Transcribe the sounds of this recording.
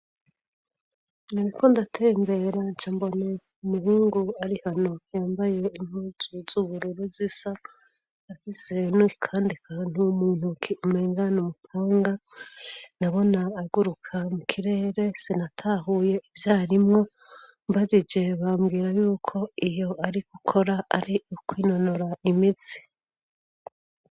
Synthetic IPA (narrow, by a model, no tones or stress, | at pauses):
naɾikʰondatʰe̞ːmbe̞ɾant͡ʃambo̞na | umuɾuːŋɡuaɾihano̞jaːmbaje̞im̥uːzuzuːβuɾuɾuzisa | afisenuikʰaːndikʰan̥umuːn̥hukimeːŋɡanumupʰaːŋɡa | naβo̞naːɡuɾukʰamukʰiɾe̞ːɾe̞senatʰaːɦuːje̞ivjaːɾimŋo̞ | mbazid͡ʒe̞βaːmɡiːɾajuːkʰo̞ijo̞ʔaɾiɡ̥ukʰo̞ɾaaɾikwiːno̞noɾaimit͡si̥